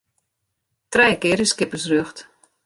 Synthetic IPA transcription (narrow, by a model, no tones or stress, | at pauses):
trɛjkɪɾəskɪpəsrøxt